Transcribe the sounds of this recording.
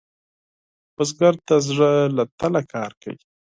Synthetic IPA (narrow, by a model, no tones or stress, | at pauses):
pəsɡaɾt̪azʐəlat̪alakʰɑːɾka̰wi